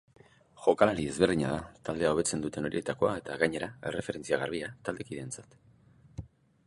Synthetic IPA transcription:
ʝo̞kalaɾie̞zβe̞ɾð̞iɲa̰ðat̪ald̪e̞ao̞βe̞t͡se̞nd̪ut̪e̞no̞ɾie̞t̪ako̞ae̞t̪aɣaɲe̞ɾae̞̰re̞fe̞ɾe̞nt͡siaɣaɾβ̞iat̪ald̪e̞kiðe̞nt͡sḁt̪

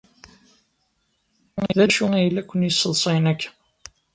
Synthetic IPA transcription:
ðæʃuijəlːækʷːənjəsːəðˤsˤinækː

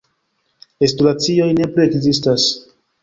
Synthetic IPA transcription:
estulat͡sio̞jne̞plie̞kzistas

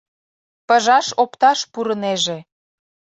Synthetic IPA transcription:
pə̆ʒɑʃopt̪ɑʃpuɾəneʒĕ

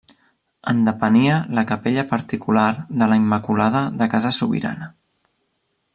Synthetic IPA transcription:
ənd̪əpəniələkəpeʎəpəɾt̪ikulaɾðələimːəkulaðəðəkazəsuβḭɾa̰nə

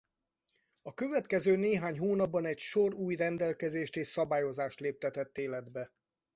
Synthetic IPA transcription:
ɒkøvɛt̪kɛzøːneːɦaːɲɦoːnɒbːɒnɛcʃo̞ruːjrɛnd̪ɛlkɛzeːʃt̪eːʃsɒbaːjo̞zaːʃt̪leːp̚t̪ɛt̪ɛt̪ːeːlɛd̪bɛ

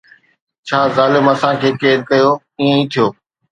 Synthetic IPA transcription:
t͡ɕʰaːzaːlɪmɐsãkʰeːkeːɾkɐjoː | iːẽĩt̪ʰijoː

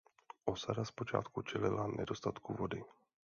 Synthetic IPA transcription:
ʔo̞sadaspo̞t͡ʃa̰ːt̪kut͡ʃɛlɪlanʔɛdo̞st̪at̪kuvo̞dɪ

